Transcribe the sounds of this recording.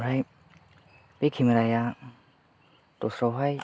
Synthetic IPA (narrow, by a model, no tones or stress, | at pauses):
ɾaj | bikʰimaɾaja | tosɾawɦaj